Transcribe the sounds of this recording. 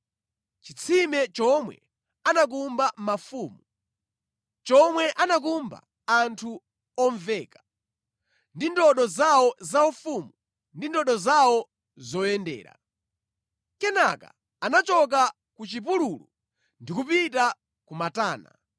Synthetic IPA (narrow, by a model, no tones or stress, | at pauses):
t͡ʃit͡sʰimɛt͡ʃɔmwɛ̰ | anak̬umbammafuːmu | t͡ʃɔmwɛʔanak̬umba̰ | antʰu | ɔɱvɛːkḁ | ndindɔɗɔzawɔzaufumu | ndindɔɗɔzawɔ | zɔjɛndɛ̰ːɾa̰ | kɛnaka̰ | anat͡ʃɔk̬a | kut͡ʃip̬ululu | ndikupita | kumataːna̰